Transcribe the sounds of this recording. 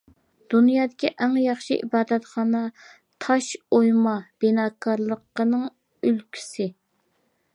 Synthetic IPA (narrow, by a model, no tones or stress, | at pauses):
d̪̥unjɑːd̪ɪkʲiʔɛŋjɑχʃḭʔḭbɑːd̪ɛt̪χɑːnɑ | t̪ʰɑʃojmɑb̥ɪnɑːkʰɑɾlˠəqːənɨŋ | ølkʲʰy̥sɪ